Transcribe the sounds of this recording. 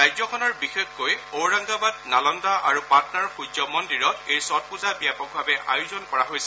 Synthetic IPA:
ajzɔkʰɔnɔɹbixexːojowɹaŋɡabad̚nalɔndaʔaɹupatnaɹxud͡ʒɔmɔndiɹɔtejsɔt̚puzabijapɔk̚bʱabɛʔa̰juzɔnkɔɹaɦojsɛ

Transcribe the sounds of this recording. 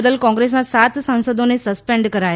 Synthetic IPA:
d̪əlkɔ̃ŋɡɾes̬nãsat̪sãnsəd̪onesəspeɳɖkəɾa

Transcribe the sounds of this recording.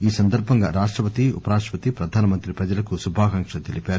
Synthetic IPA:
iːsɐnd̪ɐɾbʱɐŋɡa̰ːɾaːʂʈɾɐpɐt̪iṵpɐɾaːʂʈɾɐ̥pɐt̪ipɾɐd̪ʱaːnɐmɐnt̪ɾipɾɐd͡ʒɐlɐkusubʱaːkɐŋkʂɐt̪elipaːɾuu

